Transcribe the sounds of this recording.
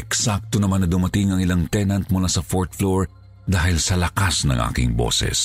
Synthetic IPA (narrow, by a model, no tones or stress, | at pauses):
ʔɛksak̚t̪onɐmanːɐd̪ʊmɐt̪ɪŋɐŋɪlaŋt̪ɛnɐnt̪̚mʊlasɐfoɹt̪̚floɹ | d̪aːhɪlsɐlɐkasnɐ̰ŋʔa̰ːkɪ̰ŋbo̰sɛ̰s